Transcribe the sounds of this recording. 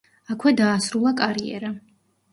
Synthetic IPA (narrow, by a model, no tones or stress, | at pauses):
akʰwɛd̪aːsɾulˠakʼaɾiɛ̰ɾa